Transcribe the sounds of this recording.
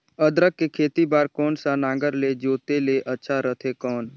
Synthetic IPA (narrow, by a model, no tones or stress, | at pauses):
əd̪ɾəkːekʰeːt̪ibaːɾkɔːnsanãːŋɡəɾled͡ʒoːt̪eleʔətːʃʰaɾət̪ʰekɔːn